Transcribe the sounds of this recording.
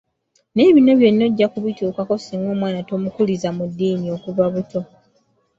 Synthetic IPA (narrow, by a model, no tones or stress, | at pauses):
ne̞ːβino̞βje̞nːo̞ɟːakuβituːkako̞simo̞ːmwaːnato̞mukulizamudːiːmio̞kuβaβuto̞